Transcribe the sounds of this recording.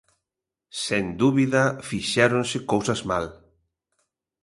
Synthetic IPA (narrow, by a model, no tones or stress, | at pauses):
send̪uβiðɐfiʃɛɾonsɪkowsɐzma̰l